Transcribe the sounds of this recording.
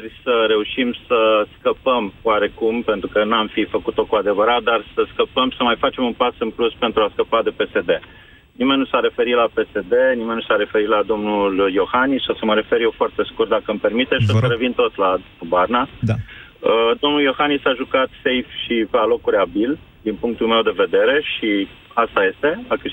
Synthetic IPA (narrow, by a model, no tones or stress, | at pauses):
rʲsəɾe̞uʃimsəskəpəmwaɾe̞kumpe̞nt̪ɾukənuamfifəkut̪o̞kuad̪e̞vəɾat̪̚d̪arsəskəpəmsəmajfat͡ʃe̞munpasɨnpluspent̪ɾuaskəpad̪e̞pe̞se̞d̪e̞ | nime̞nnusaɾe̞fe̞ɾit̪lape̞se̞d̪e̞nime̞nnusaɾe̞fe̞ɾit̪lad̪o̞mnuljo̞xanisosəməɾe̞fe̞ɾjewfoart̪e̞skurt̪̚d̪akəɨmpe̞rmit̪esʃosəɾevint̪o̞t̪la | barna | əd̪o̞mnuljo̞xanisaʒukat̪se̞jfʃipealo̞kuɾʲabil | d̪inpuŋk̚t̪ulme̞wd̪e̞ve̞d̪e̞ɾe̞ʃi | ast̪aje̞st̪e̞ak